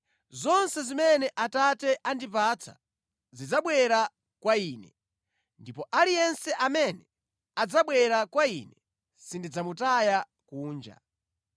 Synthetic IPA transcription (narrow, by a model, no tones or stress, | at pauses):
zɔnsɛzimɛnɛʔatatɛʔandipat͡sʰḁ̰ | zid͡zaɓwɛɾa | kwaiːnɛ | ndipɔʔalijɛnsɛʔamɛnɛ | ad͡zaɓwɛɾakwainɛ | sindid͡zamutaja | kuːnd͡ʒa̰